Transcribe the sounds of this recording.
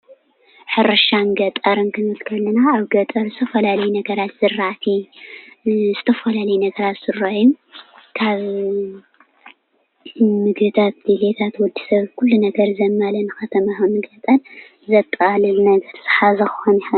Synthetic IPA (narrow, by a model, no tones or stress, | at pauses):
ħɨɾɐʃanɡɐt̪ʼɐɾɨnkʰɨnɨlkʰɐlːɐnaːβɡɐt̪ʼɐɾzɨt̪ʰɐfɐlalɐjnɐɡɐɾat̪z̥ɨrːat̪ʰi | zɨt̪ʰɐfɐlalɐjnɐɡɐɾat̪sɨraunkʰaβ | mɨɡbɨt̪ʰat̪̚d̪ilet̪ʰat̪wɔd̪isɐβkʰulːunɐɡɐɾzɐmːalɐnɨxɐt̪ʰɐmanɨɡɐt̪ʼɐn | zɐt̪ʼːalɨlnɐɡɐɾz̥ɨ̥ħazɐxxoniħa